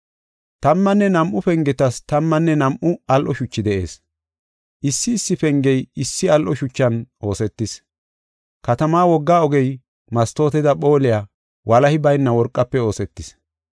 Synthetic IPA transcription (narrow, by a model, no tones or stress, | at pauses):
t̪ɐmːɐnːɛnɐmʔʊfɛŋɡɛt̪ɐst̪ɐmːɐnːɛnɐmʔʊɐlʔɔʃʊt͡ʃːɪd̪ɛʔe̞̰ːs | ʔɪsːɪːsːɪfɛŋɡɛjɪsːɪɐlʔɔʃʊt͡ʃːɐnʔo̞ːsɛt̪ːɪs | kɐt̪ɐmaːwɔɡːaːɔɡɛj | mɐst̪o̞ːt̪ɛd̪ɐɓo̞ːlɪjaː | wʔɐlɐhɪbɐjnːɐwɔɾkʼːɐpːɛo̞ːsɛt̪ːɪs